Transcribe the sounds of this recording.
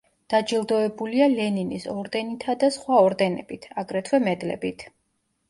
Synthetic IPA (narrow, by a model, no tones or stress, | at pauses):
d̪̥ad͡ʒilˠd̪ɔɛbulialɛninisɔɾd̪ɛnit̪ʰad̪asχwaɔɾd̪ɛnɛ̰b̥it̪ʰaɡɾɛt̪ʰwɛmɛd̪lɛ̰bit̪ʰ